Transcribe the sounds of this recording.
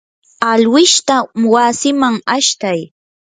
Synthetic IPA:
alwɪʃt̪awasɪmaŋaʃt̪aj

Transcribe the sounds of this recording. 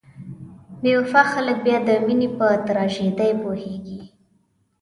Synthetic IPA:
mewfaxalək̚bjɑd̪əminipət̪aɾɑʒed̪ajpoheɡi

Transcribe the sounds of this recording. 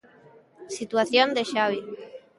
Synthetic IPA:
sit̪waθjond̪eʃaβi

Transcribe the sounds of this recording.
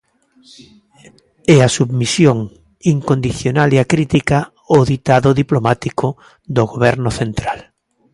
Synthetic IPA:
ɛasuβmisjoŋ | iŋkond̪iθjonaleakɾit̪ika | oðit̪aðʊðiplomat̪iko | d̪oɣoβɛɾnʊθent̪ɾal

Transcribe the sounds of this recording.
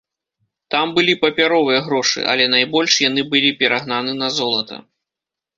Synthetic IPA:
t̪ambɨlʲipɐpʲaɾɔvɨjɐɣɾɔʂɨ̰ʔɐ̰lʲɛnajbɔlʲʂjanɨbɨlʲipʲɛɾaɣnanɨnɐzɔlˠɐt̪ɐ̰

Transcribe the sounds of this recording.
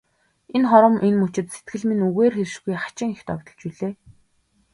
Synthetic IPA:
enχɔɾɞ̆mʔenmut͡ɕɪ̆t̪se̥t̪ɡɘ̆ɮminuɣeːrxeɾ̆ʃɡujχḁt͡ɕɪ̆ŋext̪ɔ̰kt̪ɞ̆ɮt͡ɕuɮeː

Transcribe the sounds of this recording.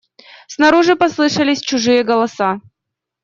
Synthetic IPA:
snɐɾoʐɨpɐslˠɨʂəlʲɪsʲt͡ɕʊʐɨjəɡɐlˠɐsa

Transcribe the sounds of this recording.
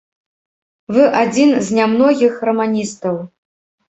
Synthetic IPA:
vɨʔad͡zʲinzʲnʲamnɔɣʲixrɐmanʲist̪ɐw

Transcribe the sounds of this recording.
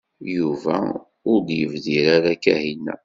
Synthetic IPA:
juvæ̰ | ʊɾd̪jəvðiɾaɾakæhinːæ̰

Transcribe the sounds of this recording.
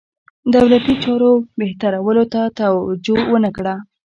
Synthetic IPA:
d̪awlat̪it͡ʃɑɾobeht̪aɾawəlot̪at̪awad͡ʒowənəkɽa

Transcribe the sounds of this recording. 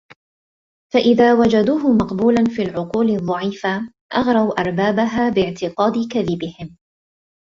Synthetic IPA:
faʔɪðaːwad͡ʒad̪uːɦʊmɑqbuːlanfiːlʕʊquːlɪðˤːɑʕiːfa | ʔɑɣɾˤawʔɑɾˤbaːbaɦaːbɪʕt̪ɪqɑːd̪ɪkaðɪbɪhɪm

